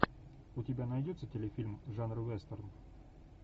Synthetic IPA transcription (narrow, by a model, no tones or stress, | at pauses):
ʊtʲɪbʲanɐjdʲot̪sətʲɪlʲɪfʲilʲmʐanrɨvɛst̪ərn